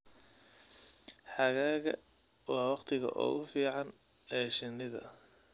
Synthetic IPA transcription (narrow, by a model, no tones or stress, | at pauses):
ħɑɣaːɣɐ̰ | wɑːwɑqt̪ʰɪɣɐ̰ʔɔ̰ːʔʊfiːʕɑn | ɛːʃɪnːɪðɐ̰